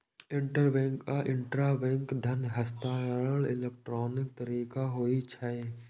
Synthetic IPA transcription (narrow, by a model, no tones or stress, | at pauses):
ɪ̃ɳʈəɾbɛ̃ŋkkaʔɪ̃ɳʈɾaːbɛ̃ŋkd̪ʱənɦəst̪aːlɪ̰lek̚ʈɾoːnɪk̚t̪əɾiːkaɦoːit͡ʃʰɛ